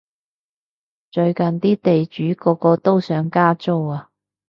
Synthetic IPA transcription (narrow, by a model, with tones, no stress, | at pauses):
t͡ʃɵ˧ɥkɐ˨nt̪iː˥t̪e˨jt͡ʃyː˨˥kɔː˧kɔː˧t̪o˥wsœː˨˥ŋkaː˥t͡so˥waː˨